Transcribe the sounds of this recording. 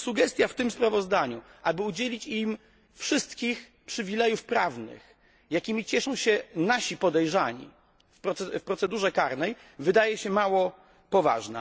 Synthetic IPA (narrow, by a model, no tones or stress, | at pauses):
suɡɛst̪ʲjaft̪ɘmspɾavɔzd̪aɲuʔabɘud͡ʑelʲit͡ɕim | fʂɘst̪kʲix | pʂɘvʲilɛjufpɾavnɘ̰x | jakʲimʲit͡ɕɛʂɔ̃w̃ɕɛnaɕipɔd̪ɛjʐaɲḭ | fpɾɔfpɾɔt̪sɛd̪uʐɛkaɾnɛj | vɘd̪ajɛɕɛmawɔ | pɔva̰ʐna̰